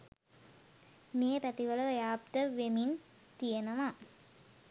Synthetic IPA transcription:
meːpæt̪iʋələʋəjaːb̚d̪əʋemin | t̪ijenəʋa

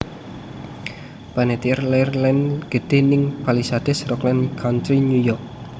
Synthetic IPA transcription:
panet̪iərlɛrlɛnɡ̥ə̤ɖ̪̥e̤nɪŋpalisad̪̥ɛsrɔklɛnkʰant̪ɾinujɔk̚

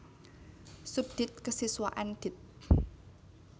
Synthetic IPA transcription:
sud̪̥ɪ̤t̪̚kəsiswa̰ʔand̪̥ɪ̤t̪̚

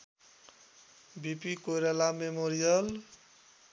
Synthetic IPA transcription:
bipikoɾalamemoɾijʌl

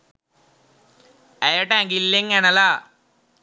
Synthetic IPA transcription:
ɐjɐʈaŋɡilːeŋɐnɐla

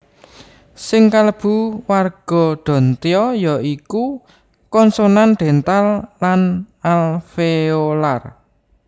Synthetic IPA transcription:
sɪŋkaləb̥ṳwarɡ̥ɔ̤ɖ̪̥ɔ̤nt̪eɔjɔiku | kɔnsonanɖ̪̥e̤nt̪alːan | alfeolar

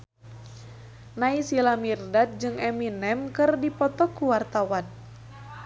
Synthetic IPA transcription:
naisilamirdat̪̚d͡ʒɨŋɛminɛmkɨrdipɔt̪ɔkːuwart̪awan

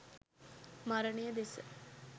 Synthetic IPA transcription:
maɾəɳejəd̪esə

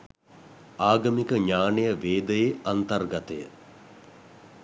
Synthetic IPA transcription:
aːɡɐmikəɲaːnejəʋeːd̪əjeɐnt̪ɐrɡɐt̪əjə̰

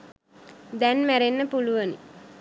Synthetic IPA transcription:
d̪ɛnmæɾenːəpuluʋəni

